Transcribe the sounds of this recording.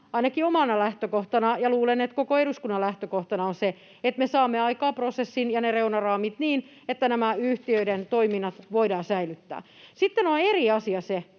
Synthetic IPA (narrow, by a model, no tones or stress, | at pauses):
ɑinɑkiomɑnɑlæht̪økoht̪ɑnɑjɑluːlenet̪kokoeɾuskunːɑlæht̪økoht̪ɑnɑonse | et̪mesɑːmːeɑikɑːprosesːinjɑnereunɑrɑːmit̪niːn | et̪ːænæmæyht̪iøident̪oiminːɑt̪ʋoidɑːsæilyt̪ːæ̰ːsit̪ːenoneriɑsiɑse